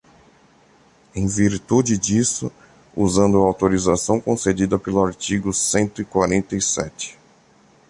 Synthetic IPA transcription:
ẽj̃viɾt̪ud͡ʒɪd͡ʒisʊ̰ | uzɐ̃nd̪ʊawt̪oɾizasɐ̃w̃kõsed͡ʒid̪ɐpelʊaɾt͡ʃiɡʊsẽnt̪ʊikwaɾẽnt̪ɐisɛ̰t͡ʃɪ̥

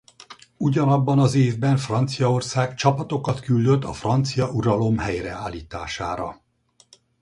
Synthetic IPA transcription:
uɟɒnɒbːɒnɒzeːvbɛɱfrɒnt̪sijɒo̞rsaːɡt͡ʃɒpɒt̪o̞kɒt̪kyld̪øt̪ːɒ̰frɒnt̪sijɒʔuɾɒlo̞mhɛjrɛaːlːiːt̪a̰ːʃa̰ːɾɒ

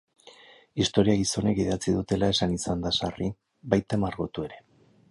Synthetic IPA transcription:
ist̪o̞ɾiaɣiso̞ne̞kiðat͡siðut̪e̞lae̞sanisand̪asari | bajt̪amaɾɣot̪ue̞ɾe̞

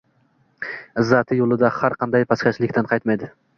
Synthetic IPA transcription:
ɪzːɑt̪ʰɪjolˠɪd̪ahaɾqʰɑnd̪ɑjpʰɑskʲat͡ʃlɪkʲt̪anqʰɑjt̪majd̪ɪ

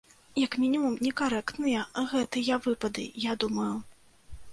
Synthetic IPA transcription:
jɐkmʲinʲimumnʲɛkaɾɛkt̪nɨjɐɣɛt̪ɨjɐvɨpɐd̪ɨ̰jad̪umɐju

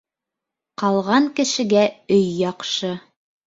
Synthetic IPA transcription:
qɑlˠʁɑŋkɘ̆ʃɘ̆ɡæɵjːɑqʃɤ

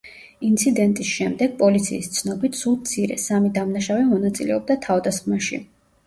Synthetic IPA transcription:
int̪sʰid̪ɛnt̪ʼisʃɛmd̪ɛɡ̥̚pʼɔlit̪sʰḭːst̪sʰnɔbit̪ʰsut̪sʰiɾɛ̰samid̪amnaʃavɛmɔnat̪sʼilɛɔb̚d̪at̪ʰavd̪asχmaʃḭ

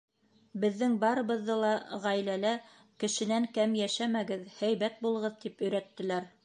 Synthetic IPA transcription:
bɘ̆ðːɘŋbɑɾɤ̆βɤ̆ðːɤlˠɑʁæjlælæ | kɘ̆ʃɘ̆næŋkæmjæʃæmæɡɘðhæjβæt̪̚bulˠɤ̆ʁɤðt̪ipɵ̆jɾæt̪ːɘ̆læɾ

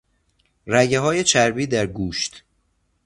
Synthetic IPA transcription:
ræɟeɦɒːje̞t͡ʃʰæɾbiːd̪æɾɡuːʃt̪

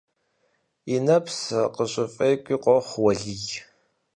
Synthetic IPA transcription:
inɐpsqəɕʼɪfʼɐjkʷʼiːqʷɔχʷwɐɮij

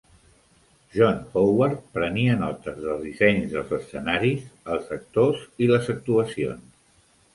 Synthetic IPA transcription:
ʒɔnxowaɾ̚pɾəniənɔt̪əzðəlˠzðisɛɲzðəlˠzəsːənaɾizəlˠzək̚t̪oziləzək̚t̪uəsio̰ns

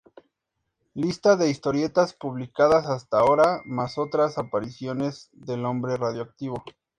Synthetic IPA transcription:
list̪aðe̞ist̪o̞ɾje̞t̪aspuβlikaðasast̪ao̞ɾamaso̞t̪ɾasapaɾisjo̞ne̞zðe̞lo̞mbɾe̞raðjoak̚t̪iβ̞o̞

